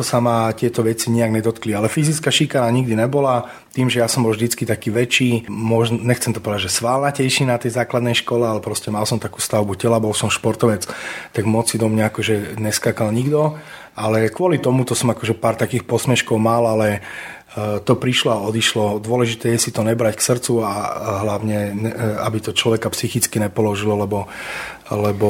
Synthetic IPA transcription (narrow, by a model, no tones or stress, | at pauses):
t̪ɔsamat̪ɪɛt̪ɔʋɛt͡siɲiaɡɲɛd̪ɔt̪klialɛfizit͡skaʃikanaɲiɡd̪inɛbɔla | t̪iːmʒɛjasɔmbɔlvʒd̪it͡skit̪akiːʋɛt͡ʃiːmɔʒnɔɲɛxt͡sɛmt̪ɔpɔʋɛd̪aʒɛsʋaːlnacɛjʃinat̪ɛjzaːklad̪nɛjʃkɔlɛalɛpɾɔscɛmalsɔmt̪akuːst̪aʊbucɛlabɔlsɔmʃpɔɾt̪ɔʋɛt͡st̪aɡmɔt͡sːid̪ɔmɲaakɔʒɛɲɛskakalɲiɡd̪ɔ | alɛkʊɔlit̪ɔmut̪ɔsɔmakɔʒɛpaːɾt̪akiːxpɔsmɛʃkɔʊmalalɛ | t̪ɔpɾiʃlɔaɔd̪iʃlɔd̪ʊɔlɛʒit̪ɛːjɛsit̪ɔɲɛbɾacksr̩t͡suaɦlaʋʊɲɛɛabit̪ɔt͡ʃlɔʋɛkapsixit͡skiɲɛpɔlɔʒilɔlɛbɔ | lɛbɔ